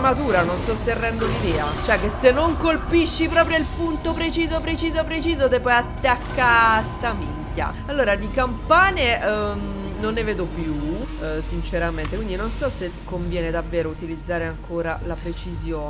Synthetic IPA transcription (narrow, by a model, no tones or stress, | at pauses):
mat̪uːɾanonst̪ɔsːerːɛnd̪olid̪ɛːat͡ʃoɛk̟ːesːenːoŋkolpiʃːipɾɔːpɾjoilpunt̪opɾet͡ʃiːzopɾet͡ʃiːzopɾet͡ʃiːzot̪epːɔjat̪ːakːast̪amiŋkːja̰alːoːɾad̪ikampaːnem | nonːeveːd̪opjusint͡ʃeɾament̪ekwind̪inonsɔsekːoɱvjɛːned̪avːeːɾout̪ilid̪zːaːɾeaŋkoːɾalapɾet͡ʃizjoː